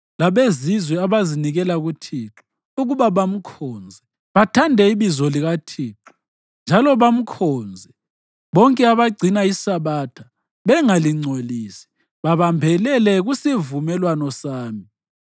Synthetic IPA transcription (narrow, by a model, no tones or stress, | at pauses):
laβezizwɛaβaziniɣɛlaɣutʰiːǁu̥ | uɣuβaβam̩kʰɔːnd͡zʱɛ | βatʰandʱɛiβizɔliɣatʰiːǁu̥ | nd͡ʒʱalɔβam̩kʰɔːnd͡zʱɛ | βɔŋkʼɛaβaɡ͡ǀʱinaisaβatʰa | βɛŋaliŋ͡ǀʱoliːsi̥ | βaβambʱɛlɛlɛɣusivumɛlwanɔsaːmi